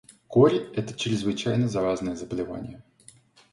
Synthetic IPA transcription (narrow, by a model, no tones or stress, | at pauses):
koɾʲɪɛt̪ə̥t͡ɕɾʲɪzvɨt͡ɕæjnəzɐɾaznəjəzəbəlʲɪva̰nʲɪ̰jə